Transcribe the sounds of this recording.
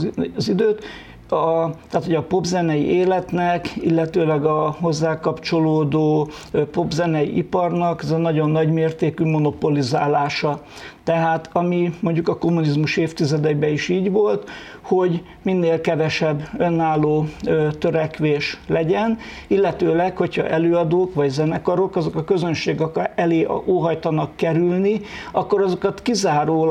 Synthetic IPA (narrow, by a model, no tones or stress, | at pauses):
zid̪øːt̪ | ɒt̪ɛaːt̪ho̞ɟɒpo̞bzɛnɛjḭʔeːlɛt̪nɛkilːɛt̪øːlɛɡɒɦho̞zːaːkɒpt͡ʃo̞loːd̪oːpo̞bzɛnɛjḭʔipɒrnɒkɛzɛnɒɟo̞nːɒɟmeːrt̪eːkymo̞no̞po̞lizaːlaːʃɒ | t̪ɛɦaːt̪ɒmimo̞ɲɟukɒko̞mːunizmuʃeːft̪izɛd̪ɛbɛiʃiːɟʋo̞lt̪ | ho̞ɟ | minːeːlkɛvɛʃɛbːø̞nːaːlːoːt̪øɾɛkʋeːʃlɛɟɛn | ilːɛt̪øːlɛkho̞chɒ̰ʔɛløːɒd̪oːkʋɒɟzɛnɛkɒɾo̞kɒzo̞kɒkø̞zø̞nʃeːɡɛkɛlḛːoːɦɒjt̪ɒnɒkːɛɾylniɒkːo̞ɾɒzo̞kɒt̪kizaːɾoː